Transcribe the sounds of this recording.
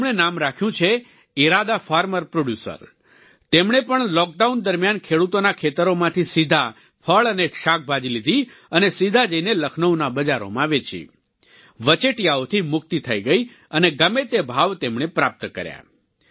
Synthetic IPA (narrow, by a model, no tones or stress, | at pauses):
mɳ̃enamɾakʰjũt͡ʃʰe | iɾad̪afaɾməɾpɾoɖjusə̰ɾ | t̪emɳ̃epəɳlɔk̚ɖaund̪əɾmjankʰeɽut̪onakʰet̪əɾomãt̪ʰisid̪ʱa | pʰəɭəneʃak̚bʱad͡ʒilid̪ʱi | ənesid̪ʱad͡ʒəineləkʰnəwnabəd͡ʒaɾo̰mãʋet͡ʃḭ | ʋət͡ʃeʈjaot̪ʰimʊk̚t̪it̪ʰəiɡəi | əneɡəmet̪ebʱaʋt̪emɳ̃epɾap̚t̪kə̰ɾja̰